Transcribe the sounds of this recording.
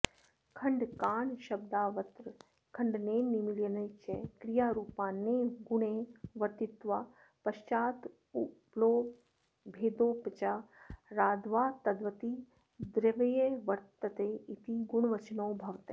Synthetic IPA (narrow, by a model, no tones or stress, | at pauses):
kʰɐɳɖkaːɳʃɐb̚d̪aːʋɐt̪ɾ | kʰɐɳɖneːnimiljənɐjt͡ʃekɾijaːɾuːpãːnːeɡʊɳeʋɐɾt̪ɪt̪ʋa | pɐʃt͡ʃaːt̪ | ubloː | bʱeːd̪oːpt͡ʃaɾaːd̪ʋaːt̪ɐd̪ʋət̪i | d̪ɾeʋɐjeʋɐɾt̪ɐt̪eit̪iɡuɳ̃ʋɐt͡ʃnoːbʱɐʋt̪eː